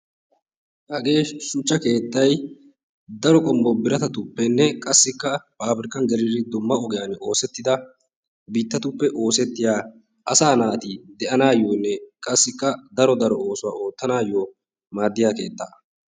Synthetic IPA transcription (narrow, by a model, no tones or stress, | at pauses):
hɐɡe̞ːʃʊt͡ʃːɐke̞ːt̪ːɐj | d̪ɐɾɔkʼɔmbɔbɪɾɐt̪ɐt̪ʊpːɛnːɛkʼɐsːɪkːɐpaːbɾɪkɐnɡɛɾɪɾɪd̪ʊmːɐɔɡɛjano̞ːsɛt̪ːɪd̪ɐ | biːt̪ːɐt̪ʊpːɛʔo̞ːsɛt̪ːɪjaː | ʔɐsaːnaːt̪id̪ɛʔɐnaːjːoːnːɛkʼɐsːɪkːɐd̪ɐɾɔd̪ɐɾɔo̞ːsʊwa̰ːʔo̞ːt̪ːɐnaːjːoː | maːd̪ːɪjaːke̞̰ːt̪ːaː